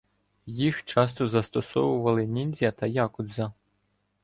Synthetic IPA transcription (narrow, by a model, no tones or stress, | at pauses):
jixt͡ʃɑst̪ɔzɐst̪ɔsɔʋʊʋɐlˠɪnʲinʲzʲɐt̪ɐjɑkʊd̪zɐ